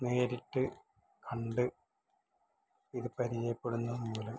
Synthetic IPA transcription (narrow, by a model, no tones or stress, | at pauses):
ne̞ːɾiʈːɨ | kʰɐɳɖɨ | iðɨpɐɾijɐjɐpːeɽunːɐðɨmːuːlɐm